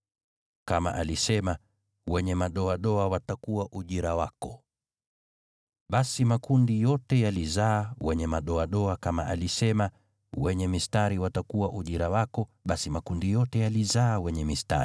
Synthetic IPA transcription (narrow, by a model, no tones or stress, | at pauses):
kama̰ʔalisɛma | wɛɲɛmaɗɔaɗɔawatakuwaʔuʄiɾawakɔ | ɓasimakundijɔtɛjalizaːwɛɲɛmaɗɔaɗɔakama̰ʔalisɛma | wɛɲɛmistaɾiwatakuwaʔuʄiɾawakɔɓasimakundijɔtɛjalizaːwɛɲɛmista̰ɾi